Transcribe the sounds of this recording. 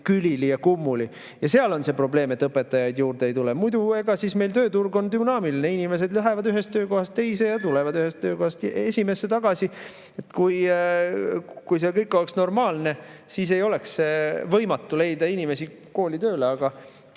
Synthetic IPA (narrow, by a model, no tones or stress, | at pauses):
kylʲilijɑkumːuli | jɑse̞ɑlo̞nse̞pro̞ble̞ːmet̪ːɤpːˑe̞t̪ːˑɑjɑjd̪̥juːrd̪̥eejt̪ulemujd̪ue̞ɡ̥ɑsisme̞jlt̪ø̞ːt̪urɡo̞nd̪ymnɑːmilineinime̞s̬e̞d̪lyɦevɑd̪yɦe̞st̪ːø̞ːko̞ɦɑst̪t̪e̞jse̞jɑt̪ulevɑd̪yɦest̪ːø̞ːko̞hɑst̪je̞sʲime̞sːet̪ɑɡ̥ɑsi | et̪kuj | kujsekɤjkːˑo̞leksno̞rmɑːlne̞sis̬e̞jo̞lɛksvɤ̞jmɑt̪ːˑule̞jd̪ɑinʲime̞si | ko̞ːlit̪øːleɑɡ̥ɑ